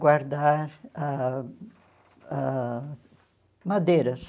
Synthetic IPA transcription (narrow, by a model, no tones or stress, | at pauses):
ɡwaɾd̪aɾa | a | mad̪ejɾɐs